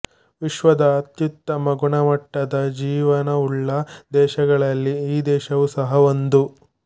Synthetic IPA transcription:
ʋiʃʋɐd̪ɐːt̪jut̪ːɐmɐɡuɳɐmɐʈːɐd̪ɐd͡ʒiːʋɐnɐuɭːɐd̪ɛːʃɐɡɐɭɐlːiiːd̪ɛːʃɐʋusɐɦɐond̪u

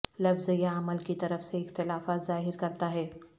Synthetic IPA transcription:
lɐfzjaɐməlkit̪ɐɾəfseɪxt̪ɪlaːfaːt̪zaːɦɪɾkɐɾt̪aɦɛː

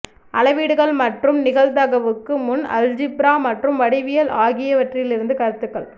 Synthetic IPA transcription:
ʔɐlɐʋiːɽɯɣɐɭmɐʈrɯmnɪɣɐlt̪ɐɣɐʋɯkːɯmʊnɐ̰ld͡ʒɪpɾaːmɐʈrɯmʋɐɽɪʋɪjɐlaːɣɪjɐʋɐʈrɪlɪɾɯnd̪ɯkɐɾɯt̪ːɯkːɐɭ

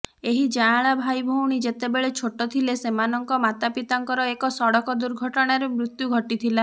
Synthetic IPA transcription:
eɦid͡ʒaːɭabʱajbʱowɽ̃id͡ʒet̪ebeɭet͡ʃʰoʈɔt̪ʰilesemanɔŋkɔmat̪apit̪aŋkɔɾɔekɔsɔɽɔkɔd̪uɾɡʱɔʈɔɽ̃aɾemɾut̪juɡʱɔʈit̪ʰila

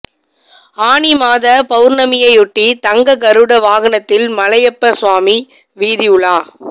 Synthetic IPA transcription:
aːɳimaːðɐpɐɯɾnɐmɪjɐɪʊʈːit̪ɐŋɡɐkɐɾɯɽɐʋaːɣɐɳɐt̪ːɪlmɐlɐjɐpːɐsʋaːmi | ʋiːðɪjʊɭaː

